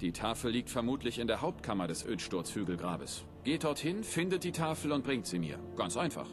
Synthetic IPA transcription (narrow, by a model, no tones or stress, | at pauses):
d̥iːtʰaːfl̩liːk̚tfɛɐmuːtʰlɪçɪndeːɐɦaʊp̚tkʰamɐdɛsʔø̰ːtʃtʊɐt͡sfyːɡl̩ɡʁa̰ːbəs | ɡ̥eːt̚d̥ɔɐthɪnfɪndət̚d̥iːtʰaːfl̩ʊnt̚b̥ʁɪŋtz̥iːmḭːɐɡ̥ant͡sʔaɪnfa̰χ